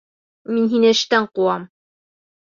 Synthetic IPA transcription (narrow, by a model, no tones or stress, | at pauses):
minɦinɘɘ̆ʃt̪æɴquɑm